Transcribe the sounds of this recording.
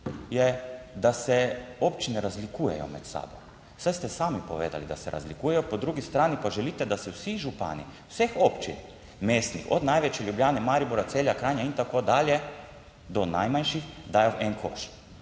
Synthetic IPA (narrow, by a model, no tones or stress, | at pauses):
jɛd̪asɛopt͡ʃinɛɾazlikuːjɛ̰jɔ̰mɛ̰t̪sa̰ːbo | sajst̪ɛsaːmipɔʋḛːd̪a̰lid̪asɛɾa̰zlikuːjɛjɔpɔd̪ɾuːɡist̪ɾaːnipaʒɛliːt̪ɛd̪asɛwsiʒupa̰ːnḭwsexopt͡ʃḭn | meːst̪nḭxɔ̰d̪najʋɛt͡ʃjɛljubljaːnɛmaːɾibuɾat̪seːljakɾajnaint̪akod̪aːljɛ | d̪ɔna̰jmanʃixd̪aːjoʔɛnkʰo̰ʃ